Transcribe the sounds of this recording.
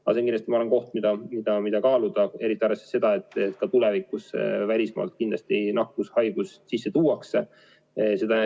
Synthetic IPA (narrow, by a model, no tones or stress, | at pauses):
ɑse̞nkinɑst̪imɑolenko̞ht̪mid̪̥ɑmid̪̥ɑmid̪̥ɑkɑːlud̪̥ɑe̞ɾit̪ːˑiɑɾese̥se̞d̪̥ɑe̞t̪ːˑet̪kɑt̪ulɛvikːusvælʲismɑ̰ːlt̪̚kind̪lɑst̪ie̞jnɑkːˑushɑjɡ̥ussisːe̞t̪uːɑkse | se̞d̪̥ɑ